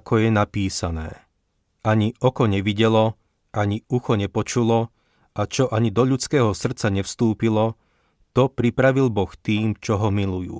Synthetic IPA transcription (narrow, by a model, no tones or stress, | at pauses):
kʰɔjɛnapiːsanɛ̰ː | ʔaɲiɔkɔɲɛʋiɟɛlɔ | ʔaɲiuxɔɲɛpɔt͡ʃulɔ | ʔat͡ʃɔʔaɲid̪ɔʎut͡skɛːɦɔsr̩t̪t͡saɲɛfst̪uːpilɔ | t̪ɔpɾipɾaʋilbɔxt̪iːmt͡ʃɔɦɔmilujṵː